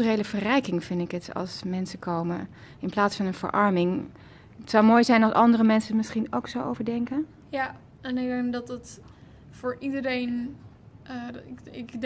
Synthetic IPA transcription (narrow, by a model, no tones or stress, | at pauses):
rejləvərɛjkɪŋfɪndɪkətɑ̰lˠsmɛnsəkʰowmə̰ | ɪnplaːtsfɑnənv̥ə̰ɹʔɑɹmɪŋ | ətsɔwmoːjzɛjnɑlsɑndərəmɛnsəmɪsχinowksowʔowvəɹdɛŋkən | ja | ɛnɪɡ̚dɛŋdɑtət | fʊːɹidəɾejn | ɪk